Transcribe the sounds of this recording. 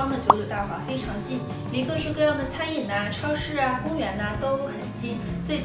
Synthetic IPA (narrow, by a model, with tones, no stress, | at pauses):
ɑ˥ŋd̪ə˨˩t͡ɕjo˧˥ljo˨˩t̪a˥˩xwa̰˨˥fe˥ɪʈ͡ʂʰɑ˧˥ŋt͡ɕi˥˩n | li˧˥kɤ˥˧ŋʂɻ̩˥˧kɤ˥˧jɑ˥˩ŋd̪ə˩t͡sʰa˥ni˨˩nə˧ʈ͡ʂʰɑ˥ʊʂɻ̩˥˩ɐ˩kʊ˥ŋɥɛ˧˥nə˧t̪o˥ʊxə˨˩nt͡ɕi˥n | swi˨˩